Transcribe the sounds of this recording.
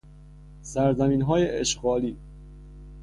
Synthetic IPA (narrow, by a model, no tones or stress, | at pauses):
sæɾzæmiːnɦɒːjeʔeʃɢɒːliː